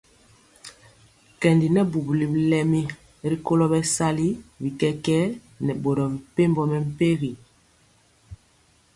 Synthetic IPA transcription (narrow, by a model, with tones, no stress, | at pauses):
kɛ˨ndi˨nɛ˦bu˨bli˨blɛ˦mi˦ | ɾi˦ko˦lɔ˦bɛ˦sa˦li˦bi˨kɛ˦kɛ˦ | nɛ˨bo˨ɾɔ˨m˨pe˦mbɔ˦mɛ˨m̩˦pe˦ɣi˨